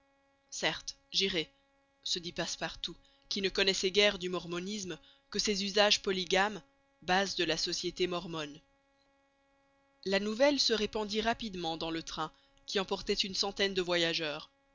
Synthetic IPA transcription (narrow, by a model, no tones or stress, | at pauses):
sɛʁt̪ | ʒiʁɛ | səd̪ipaspaʁt̪u | kʲinəkɔnɛsɛɡʲɛʁd̪ymɔʁmɔnism | kəsezyzaʒpɔliɡam | bazd̪əlasɔsjet̪emɔʁmɔn | lanuvɛlsəʁepɑ̃d̪iʁapid̪mɑ̃d̪ɑ̃lət̪χɛ̃ | kʲʰiɑ̃pɔʁt̪ɛt̪ynsɑ̃t̪ɛnd̪əvwajaʒœːʁ